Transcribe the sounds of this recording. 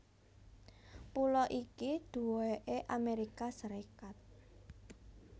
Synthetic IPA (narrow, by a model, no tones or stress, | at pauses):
pulɔʔikid̪̥ṳeʔeʔameɾikasəɾekat̪̚